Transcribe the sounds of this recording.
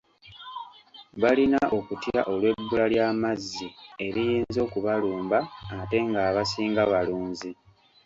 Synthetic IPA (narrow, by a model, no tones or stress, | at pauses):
βalinaʔo̞kutja̰ʔo̞lwe̞bːulaljaːmazːie̞ɾijiːnzo̞ːkuβaluːmbaːte̞ŋɡaːβasiːŋɡaβaluːnzi